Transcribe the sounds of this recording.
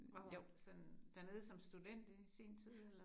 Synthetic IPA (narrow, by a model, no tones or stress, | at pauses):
o̥sɒ̽nd̥æne̝ðˠsɒ̽msd̥ud̥en̰d̥isḭːnt͡sʰið̰ˠ